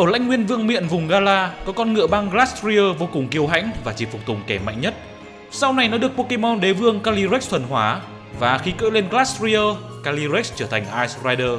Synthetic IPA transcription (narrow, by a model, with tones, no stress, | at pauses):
ʔəː˧˩la̰˧˥ŋ̟ŋwi˧ənvɨ˧əŋmḭ˧˨ənvʊ˨˩ŋ͡mɣaː˧laː˧kɔ˨˦kɔ˧nŋɨ̰˧˨əɓa˧ŋɣla˦˥tsɾi˧əː˧vo˧kʊ˨˩ŋ͡mki˧əwɦa̰˧˥jŋ̟vaː˨˩t͡ɕi˨˩fʊ˨˩k͡p̚t̪ʊ˨˩ŋ͡mkɛ˧˩ma̰˧˨jŋ̟ɲə˦˥t̚ | sa˧wna˨˩jnɔ˨˦ɗɨ˨˩ək̚po˧ke˧mɔ˧nɗe˨˦vɨ˧əŋkaː˧li˧ɾk̚t̪ʰwə˨˩nhwaː˨˦ | vaː˨˩xi˨˧kə̰ː˧˥le˧nɣlaː˦˥sɾi˧əː˧ | kaː˧li˧ɾi˦˥k̚t͡ɕəː˧˩t̪ʰa˨˩jŋ̟ʔaː˧jsraː˧jɗəː˧